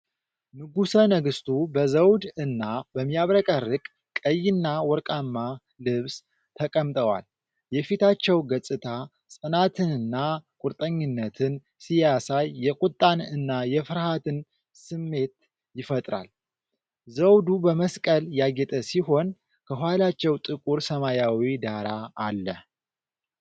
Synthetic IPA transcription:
nɨɡusənəɡɨst̪ʰubəzəwd̪ɨnːabəmːijaβɾəkʼərːɨkʼ | kʼəjːɪnːawɔɾkʼamːa | lɨβs | t̪ʰəkʼəmt̪ʼəwa̰l | jɛfit̪ʰat͡ʃːɛwɡəsʼɨt̪ʰa | sʼɨnat̪ʰɨnɨnːakʼʊɾt̪ʼəɲːɪnːət̪ʰɨn | sijasajːɛkʼut̪ʼːanɨnːajɛfɨɾhat̪ʰɨn | sɨmːe̞t̪̚ | jɪfət̪ʼɾa̰l | zəwd̪ubəməskʼəljaɡɛt̪ʼəsiɦo̞n | kʰəɦʷwalat͡ʃːɛwt̪ʼɨkʼuɾsəmajawid̪aɾaːlːə

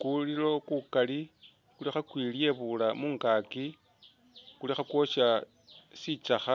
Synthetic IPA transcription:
kulilo̞kukali | kulixakwilje̞βulamuːŋɡaːki | kulixakwo̞ʃa | sit͡saxa

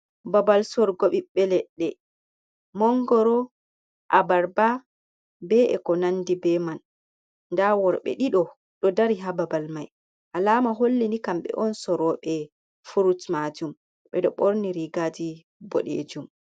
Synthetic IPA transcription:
babalsɔɾɡoɓiɓːɛlɛɗːɛ | mɔŋɡɔɾɔ | ʔabaɾba | bɛɛ̰kɔnandibɛman | ndawɔɾɓɛ̰ɗiɗɔ | ɗɔdaɾiɦababalmaj | ʔalaːmaɦolːinikamɓɛ̰ʔɔnsɔɾɔɓɛ | fuɾutmad͡ʒum | ɓɛɗɔɓoɾniɾiɡad͡ʒi | bɔ̰ɗḛːd͡ʒum

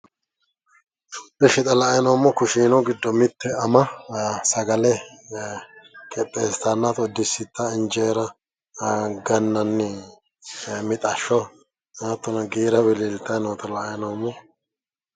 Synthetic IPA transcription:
bɛʃɪt̪ʼɐlɐjɐnomːɔkʊʃiːnɔɡɪd̪ːɔmɪt̪ːɛɐmɐsɐɡɐlɛ | kʼɛp̪ʼːest̪ɐnːat̪ɔd̪ːɪsːɪt̪ːɐɪnd͡ʒeːɾɐ | ɡɐnːɐnːɪ | mɪt̪ʼɐʃːɔ | naːt̪ːɔnɐɡiːɾɐbɪlilt̪ːɐjnoːt̪ɐlɐʔjɐnomːɔ

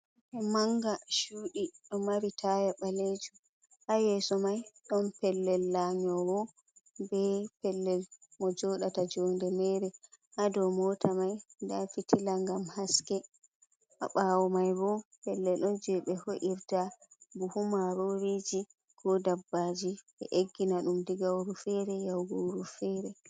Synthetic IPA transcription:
ɔmaŋɡaʃuːɗiɗɔmaɾitʰajaɓaled͡ʒu | ʔajɛsɔmajɗɔnpɛlːɛlːaɲɔwɔ | bɛpɛlːɛlmɔd͡ʒɔɗatad͡ʒɔndɛmɛɾɛ | ʔadɔmɔtʰamajndafitʰilaŋɡamhaskɛ | ʔa̰ɓaːwɔmajbɔpɛlːɛlɗɔnd͡ʒɛɓɛhoʔiɾtabuhumaɾoɾed͡ʒi | ɡ̥ɔdabːad͡ʒiɓɛ̰ʔeɡːinaɗumdiɡawɾufɛɾɛjawɡawɾufɛɾɛ

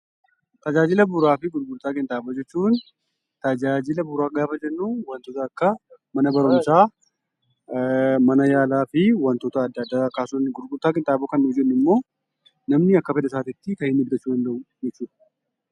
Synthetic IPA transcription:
t̪ɐd͡ʒaːd͡ʒɪlɐbʊɾaːfɪɡʊɾɡʊɾt̪aːkʼɪnt̪ʼaːbɐd͡ʒɛt͡ʃːuːn | t̪ɐd͡ʒaːd͡ʒɪlɐbʊɾaːɡaːfɐd͡ʒɛnːuːwɐnt̪oːt̪ɐɐkːɐmɐnɐbɐɾʊmsaː | mɐnɐjaːlaːfɪwɐnt̪oːt̪ɐːd̪ːɐd̪ːaːkaːsʊnɡʊɾɡʊɾt̪ːaːkʼɪnt̪ʼaːbʊkɐnːʊd͡ʒɛnːɪmːo̞ː | nɐmnɪɐkːɐfɛd̪ɐs̬aːt̪ɪt̪ːɪkɐhɪnːʊɡɡ̪ɐt͡ʃːuːd̪ɐnd̪ɐʔʊd͡ʒɛt͡ʃːuːd̪ɐ̥

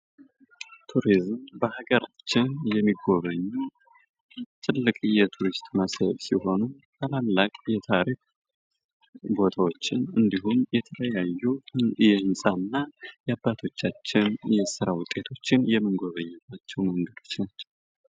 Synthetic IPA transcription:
t̪ʰuɾizmbəhaɡəɾat͡ʃːɪnjɛmːiɡo̞βəɲːu | t̪ʰʼɨlːɨkʼjɛt̪ʰuɾist̪ʼməsəbsiho̞nu | kʰʼalalːakʼjɛt̪ʰaɾik̚ | bo̞t̪ʰawo̞t͡ʃːɪnɨnd̪iɦumjɛt̪ʰələjajːujɛhɨnsʼanːajɛabːat̪ʰo̞t͡ʃːat͡ʃːɪnjɛsɨɾawʊt̪ʼːe̞t̪ʰo̞t͡ʃːɪnjɛmːɨnɡoβəɲːɛbat͡ʃːɛwməŋɡəd̪o̞t͡ʃnat͡ʃːɛw

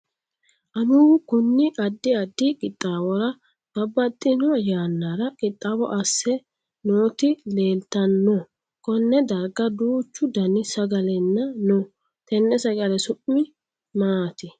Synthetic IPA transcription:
ʔɐnukʊnːɪʔɐd̪ːɪɐd̪ːɪkʼɪt̪ʼːaːwɔɾɐ | b̥ɐbːɐt̪ʼːɪnɔɐjaːnːaɾɐkʼɪt̪ʼːaːwɔ̰ʔɐsːɛ | noːt̪ɪle̞ːlt̪ɐnːɔ | kɔnːɛd̪ɐɾɡɐd̪uːt͡ʃːʊd̪ɐnɪsɐɡɐlɛnːɐno | t̪ɛnːɛsɐɡɐlɛsʊʔmɪ | maːt̪ɪ

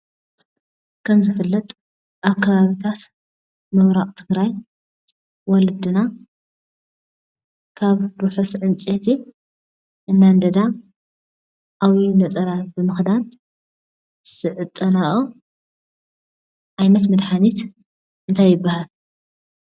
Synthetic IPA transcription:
kʰɐmzɨfɨlːɐt̪ʼ | ʔaβkʰɐβaβit̪ʰat̪ | mɨwɾaʔʼt̪ʰɨɡɾaj | wɔlɨd̪ɨna | kʰaβɾuħusʕɨnt͡sʼet̪ʰi | ʔɨnːand̪ɐd̪a | ʔawinɐt͡sʼɐɾabɨmɨxd̪an | sɨʕɨt̪ʼːɐnaʔu | ʕajnɐt̪mɨd̪ħanit̪ | ʔɨnt̪ʰajːɪbːahal

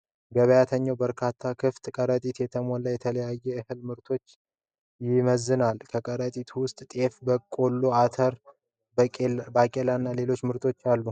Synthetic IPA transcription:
ɡəβəjat̪ʰəɲːawbəɾkʰat̪ʰːakʰɨft̪kʼəɾət̪ʼit̪jɛt̪ʰəmo̞ləjɛt̪ʰələjajːɛɨhɨlmɨɾt̪ʰo̞t͡ʃː | jɪməzːɨnalkʰəkʼəɾət̪ʼit̪ʰuwʊst̪ʼt̪ʼe̞fbəkʼo̞lːoat̪ʰəɾ | bakʼelanːale̞lo̞t͡ʃːmɨɾt̪ʰo̞t͡ʃːalːu

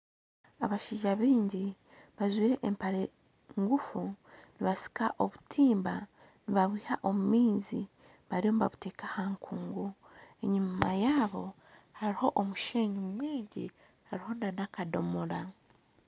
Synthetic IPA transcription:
a̰βaʃiːɟaβiːɲɟi | βazwiːɾe̞ʔempaɾe | ŋɡufuniβasi̥kaʔo̞βutʰiːmba | niβaβwiːhaʔo̞mumiːzi | βaɾio̞mβa̰βute̞ːkahaŋkʰuːŋɡu | e̞ɲumajaːβo̞ | haɾiho̞ʔomuʃeːɲimumweːɲɟi | haɾiho̞nanakado̞moɾa

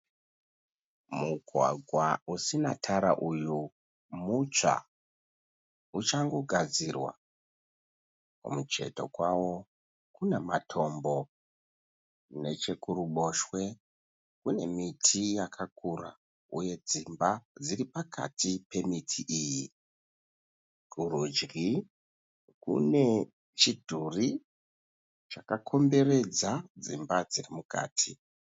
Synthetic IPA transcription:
muɡʱwa̰ɡʱwausina̰tʰaɾa̰ʔuju | mut͡ʂa̰ | ut͡ʃaŋɡo̞ɡʱad͡zirwa̰ | kṵmut͡ʃe̞̰to̞̰kwawo̞ | kunematʰo̞mbo̞ | ne̞t͡ʃe̞kuɾuɓo̞ʃwe̞ | kune̞̰mitʰijakʰakura̰ | uje̞d͡zimbad͡ziripakʰa̰tipe̞mitʰiʔiji | kuɾud͡ʒɡi | kṵne̞ | t͡ʃidʱuri | t͡ʃakakʰo̞mbe̞re̞d͡zad͡zimbad͡zirimuka̰ːtʰi

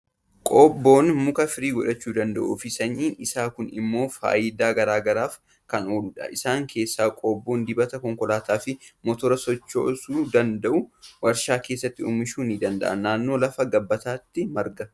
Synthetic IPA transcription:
kʼoːbːoːnmʊkɐfɪɾiːɡɔᶑɐt͡ʃːuːd̪ɐnd̪ɐʔṵːfɪsɐɲʔiːʔɪsaːkʊnɪ̰mːo̞ːfa̰ːjɪd̪aːɡɐɾaːɡɐɾaːf | kɐno̞ːluᶑɐ̰ʔɪsaːŋkʰe̞ːsːaːkʼoːbːo̞ːnd̪ɪbɐt̪ɐkɔŋkɔlaːt̪aːfɪmɔt̪ɔɾɐsɔt͡ʃːo̰ːsuːd̪ɐnd̪ɐʔʊwɐɾʃaːkeːs̬ːɐt̪ːɪṵːmɪʃuːnid̪ɐnd̪ɐ̰ʔɐ̰nnaːnːo̞ːlɐfɐɡɐbːɐt̪aːt̪ːɪmɐɾɡɐ

